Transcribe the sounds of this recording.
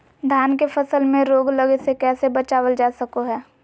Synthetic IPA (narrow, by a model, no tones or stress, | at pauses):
d̪ʱjaːnkefɐsəlmẽɾoːɡləɡesekɛːsebɐt͡ʃaːwəld͡ʒaːsəkoɦɛː